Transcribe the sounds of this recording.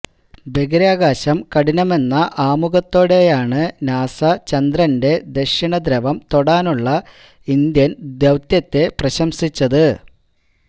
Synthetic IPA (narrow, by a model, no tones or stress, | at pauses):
beɡɐɾaːɡaːɕɐmkɐɽinɐme̞nːɐʔaːmuɣɐt̪ːo̞ːɽe̞jaːɳɨnaːsɐt͡ɕɐnd̪rɐnde̞d̪eʂiɳɐd̪ɾɐʋɐmt̪o̞ɽaːnuɭːɐ | ind̪jɐnd̪jewt̪jɐt̪ːe̞prɐɕɐmsit͡ɕːɐðɨ